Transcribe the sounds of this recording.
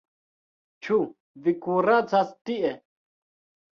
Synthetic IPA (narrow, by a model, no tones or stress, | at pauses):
t͡ʃʰu | vikuɾat͡sastiʔɛ